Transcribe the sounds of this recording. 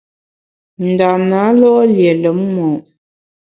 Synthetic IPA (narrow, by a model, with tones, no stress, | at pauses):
n̩˨da˨na˨˦lɔ˦lje˨lə˨˦m˦mɔ˨